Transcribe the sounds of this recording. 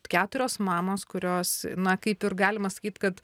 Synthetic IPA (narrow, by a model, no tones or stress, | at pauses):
kʲæːt̪ʊɾʲoːsmɑːmoːskʊɾʲoːsnɐkɐɪpɪrɡɑːlʲɪmɐsɐ̥kʲiːt̪kɐt̪